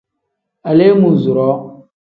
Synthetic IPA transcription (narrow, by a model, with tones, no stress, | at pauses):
a˨le˦mu˨zu˨ɾɔ˦